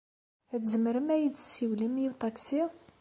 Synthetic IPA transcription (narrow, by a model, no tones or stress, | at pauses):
æt̪zəməɾəmæjid̪sːiwlimjit̪ˤɑksi